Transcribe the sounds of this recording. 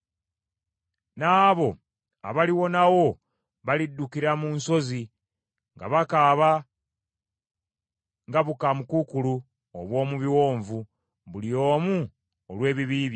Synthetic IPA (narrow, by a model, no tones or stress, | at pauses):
naːβo̞ | a̰βaliwo̞nawo̞ | βalidːukiɾamunso̞zi | ŋɡa̰βakaβa | ŋɡaβukamukukulu | oβwo̞ːmuβiwo̞ːɱvu | βulio̞ːmu | olwe̞ːβiβiːβja